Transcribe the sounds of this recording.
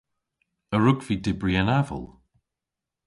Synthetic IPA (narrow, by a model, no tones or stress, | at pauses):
əɹʊɡv̥iːdɪbɹiənavə̰lˠ